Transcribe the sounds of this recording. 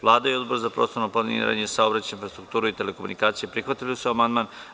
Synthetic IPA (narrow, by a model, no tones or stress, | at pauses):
ʋlˠaːd̪aio̞d̪boɾzapɾoːst̪onopanḭn̰ɾa̰ɲesaobɾat͡ɕainfɾast̪ɾuk̚t̪uːɾuit̪e̞le̞komunikaːt̪sijepɾixʋat̪iliusuamand̪maːn